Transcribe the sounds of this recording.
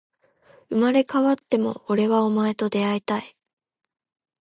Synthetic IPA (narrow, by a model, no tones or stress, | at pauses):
ɯ̟maɾe̞kaβat̪ːe̞mo̞̰ːɾe̞βao̞mae̞t̪o̞d̪e̞ait̪ai